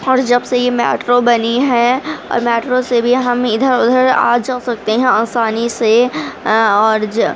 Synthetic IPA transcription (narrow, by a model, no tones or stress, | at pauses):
ɔːɾd͡ʒɐbsejemɛ̰ːʈɾobɐniɦɛɔ̰ːɾmɛːʈɾosebʱiɦɐmɪd̪ʱəɾʊd̪ʱəɾa̰ːd͡ʒɐsɐk̚t̪eɦɛ̃ãnsaːnise | ɔːɾ